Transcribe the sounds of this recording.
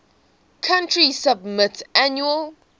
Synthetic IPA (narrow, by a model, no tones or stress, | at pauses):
kʰãntʰɹisabmɪtʰanjuəl